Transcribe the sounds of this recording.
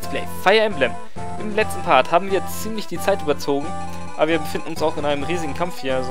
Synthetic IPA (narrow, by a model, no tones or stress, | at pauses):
splɛ̰ɪfaɪɐɪmblɛm | ʔɪmlɛt͡stn̩pʰaɐthaːbm̩viːɐt͡siːmlɪçd̥iːt͡saɪtʔyːbɐt͡soːɡŋ̩ | ʔʔaːbɐviːɐbəfɪndn̩ʊnsaʊxɪnaɪnəmʁiːzɪɡŋ̩kʰamfhiːɐz